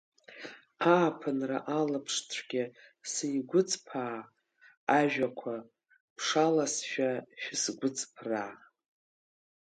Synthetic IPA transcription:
aːpʰɨnra̰ʔalɨpʰʂt͡sʷʰɡʲɪsijɡʷʊt͡sʼpʰaː | ʒᶣakʷʰa | pʰʂalasʃᶣaʃᶣɪsɡʷʊt͡sʼpʰraː

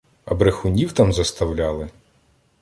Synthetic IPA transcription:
ɐ̰bɾexʊnʲiwt̪ɑmzɐst̪ɐwlʲɑlˠɪ

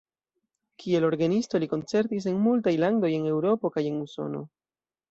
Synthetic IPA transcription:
kʰie̞lo̞ɾɡanisto̞liko̞nt͡se̞ɾtis̬e̞nmultajlando̞je̞ne̞wɾo̞po̞kaje̞nuso̞̰no̞̰

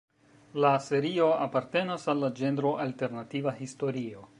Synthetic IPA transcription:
lase̞ɾio̞apaɾte̞nasalːad͡ʒe̞ndɾo̞ʔalte̞ɾnativahisto̞ɾio̞

